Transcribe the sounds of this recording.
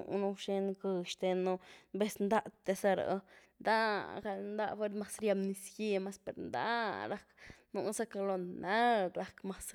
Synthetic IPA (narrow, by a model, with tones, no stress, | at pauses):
nu˧ʃe˧nɡɨ˧ʃt̪e˧no˧be˦snd̪a˦˧t̪e˧sa˦˧ɾa̰˨˧nd̪a˦ɡa˧lnd̪a˦ʔfe˧ɾma˧sɾja˧mni˧sji˧ma˧˦spe˨ɾnd̪a̰˦ɾa˦˧knu˧sa˦ka˧lo˧na˦ɾa˧kma˦s